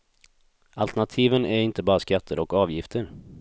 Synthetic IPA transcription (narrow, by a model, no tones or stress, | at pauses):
alt̪ɛɳat̪ʰiːvənæɾɪnt̪əbɑːɾaskat̪ʰːəɾɔkɑːvjɪft̪ʰəɾ